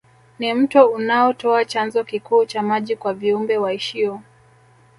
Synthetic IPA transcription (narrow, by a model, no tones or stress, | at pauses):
nim̩tɔunaɔtɔat͡ʃanzɔkikuːt͡ʃamaʄikwaviumbɛwaiʃiɔ